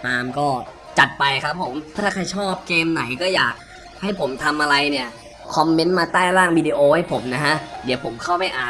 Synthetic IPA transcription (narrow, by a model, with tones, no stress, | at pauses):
t̪aː˧mkɔː˥˩ | t͡ɕa˨˩t̪̚pa˧jkʰa˦˥pʰːo˩˦mʰː˥tʰːaː˥˩kʰa˧jt͡ɕʰɔː˥˩p̚keː˧mna˩˦jkɔː˥˩jaː˨˩k̚ | ha˥˩jpʰo˩˦mt̪ʰa˧mʔa˧ɾa˧jni˥˩ɐ | kʰɔ˧mːe˦˥nmaː˧t̪aː˥˩jɾaː˥˩ŋwiː˧diː˧ʔoː˧ha˥˩jpʰo˩˦mna˦˥kʰa˦˥ʔdi˨˩˦wpʰo˩˦mkʰa˥˩wma˥˩jʔaː˨˩